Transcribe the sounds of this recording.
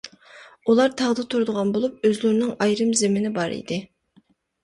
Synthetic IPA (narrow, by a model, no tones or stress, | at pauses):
ulˠɑɾt̪ʰɑʁd̪ɨt̪ʰuɾd̪ʊʁɑnbolˠup̚øzlyɾnɪŋɑjɾɨmzɪmɪnɪbɑɾḭjd̪ɪ